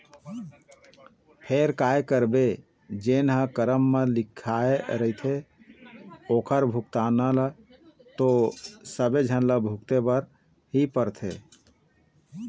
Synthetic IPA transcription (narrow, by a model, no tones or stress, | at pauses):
pʰeɾkaekəɾbe | d͡ʒenɦə̃kəɾəmːelikʰːaeɾəɦit̪ʰe | okʰəɾbʱuk̚t̪anəl | t̪osəbed͡ʒʱənləbʱukt̪ebəɾ | ɦipəɾt̪ʰḛ